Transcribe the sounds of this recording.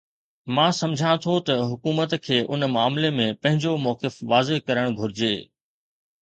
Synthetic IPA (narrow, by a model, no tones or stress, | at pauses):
mãːsɐmd͡ʑʱãt̪ʰot̪ɐɦʊkuːmət̪kʰeːʔʊnmaːmlemẽpɐ̃ɦɪ̃ɲd͡ʑomɔːkɪfʋaːzeɦkɐɾəɽ̃ɡʱʊɾɪd͡ʑeː